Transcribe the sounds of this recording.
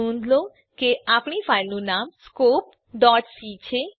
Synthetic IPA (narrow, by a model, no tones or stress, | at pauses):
und̪ʱlo | keapnifajlunamskop̚ | ɖɔʈsit͡ɕʰe